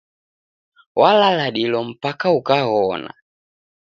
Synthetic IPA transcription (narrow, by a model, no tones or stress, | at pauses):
walalaɗilɔm̩pakaukaɣɔna̰